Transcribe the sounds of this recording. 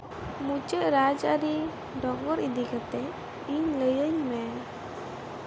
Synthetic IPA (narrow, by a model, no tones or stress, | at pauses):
mut͡ʃɛʔɾad͡ʒaɾi | ɖɔɡɔɾid̪ikat̪ɛ | iɲləjəɲmɛ